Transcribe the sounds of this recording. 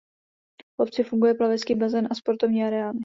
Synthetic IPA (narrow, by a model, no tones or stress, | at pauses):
vʔopt͡sɪfuŋɡujɛplavɛskiːbazɛnʔaspo̞ɾt̪ovɲiːaɾɛaːnɪ